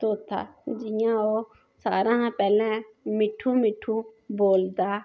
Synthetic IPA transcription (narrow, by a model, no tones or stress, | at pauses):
t̪oːt̪ʰa̰ːd͡ʒɪjão | saːɾãɦãpɛːlẽmɪʈʰːũmɪʈʰːũboːld̪aː